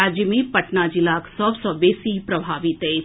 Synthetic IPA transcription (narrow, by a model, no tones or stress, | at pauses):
ad͡ʒjəmipɐʈnaːd͡ʒilaksɔbsɔbeːsipɾɐbʱaːʋit̪e